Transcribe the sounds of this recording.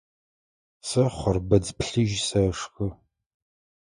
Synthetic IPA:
sɐχʷɔrbɐd͡zpɬɨʒsɐʂxɨ

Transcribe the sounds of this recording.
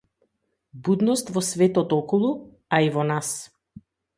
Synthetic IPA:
bud̪nɔst̪vɔsvɛt̪ɔt̪ɔkɔlˠu | aivɔnas

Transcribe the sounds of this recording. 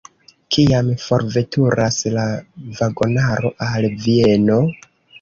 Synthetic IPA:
kʰiamfo̞ɾve̞tʰuɾʔaslavaɡo̞naɾo̞ʔalvie̞no̞

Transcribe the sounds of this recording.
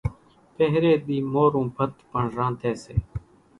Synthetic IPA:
peɦɾeːɓiːmoːɾũːbʱət̪pəɳɾãːt̪eːseː

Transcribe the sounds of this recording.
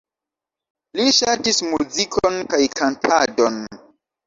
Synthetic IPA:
liʃatismuzikʰonkajkantʰadon

